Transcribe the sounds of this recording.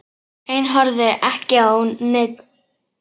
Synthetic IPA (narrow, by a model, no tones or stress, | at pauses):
ejnɦɔɾðɪʔɛhcɪawnɪt̪̚n̥